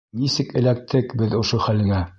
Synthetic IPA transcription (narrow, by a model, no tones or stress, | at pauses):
nisɘkɘ̆læk̚t̪ʰɘkbɘðŏʃoχælɘ̆ŋæ